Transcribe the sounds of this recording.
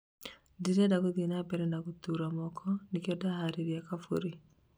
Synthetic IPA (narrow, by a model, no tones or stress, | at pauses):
diɾɛdakoðinabɛɾɛnakotuɾamɔkʰɔnikiɔdahaɾiɾiakafo̰ɾi